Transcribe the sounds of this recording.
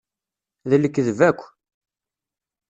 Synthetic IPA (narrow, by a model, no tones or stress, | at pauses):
ðəlːəkːðəvækʷː